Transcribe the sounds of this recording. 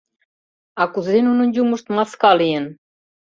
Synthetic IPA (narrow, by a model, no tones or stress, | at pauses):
ɑkuzɾenunŭnʲd͡ʑumə̆ʃt̪mɑskɑlijen